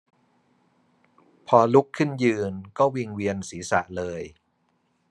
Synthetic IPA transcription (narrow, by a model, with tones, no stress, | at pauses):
pʰɔː˧lu˦˥kʰːɯ˥˩njɯː˧nkɔː˥˩wi˧ŋwi˧ənsiː˩˦sa̰˨˩ʔlɤː˧j